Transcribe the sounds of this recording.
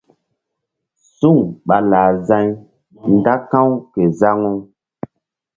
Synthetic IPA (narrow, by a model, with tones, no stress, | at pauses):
su˦˨ŋɓa˨laː˨zã˦ɲ | nda˦kã˦wke˨za˦ŋu˦ŋ